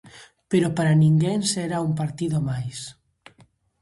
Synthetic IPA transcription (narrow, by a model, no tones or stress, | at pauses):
peɾopaɾaniŋɡenseɾaumpaɾt̪iðomajs